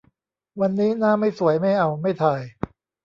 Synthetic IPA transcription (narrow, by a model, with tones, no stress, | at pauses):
wa˧nːiː˦˥naː˥˩ma˥˩jsu˨˩˦əjma˥˩jʔa˧wma˥˩jt̪ʰaː˧j